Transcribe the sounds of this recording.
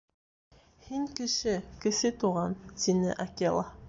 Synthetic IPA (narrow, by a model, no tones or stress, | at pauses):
hiŋkɘ̆ʃɘkɘ̆ʃɘt̪uʁɑnt̪inɘ̰ʔakʲelˠɑ